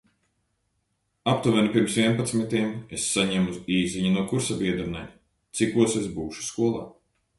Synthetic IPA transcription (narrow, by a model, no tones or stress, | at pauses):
ap̚t̪uvʲɛnipiɾmsvʲiɛnpat̪smit̪ʲiɛmesːaɲɛmuziːzʲiɲunuɔkuɾsabʲiɛd̪ɾnɛj | t̪sikuɔsesbuːʃu̥skuɔlˠa̰ː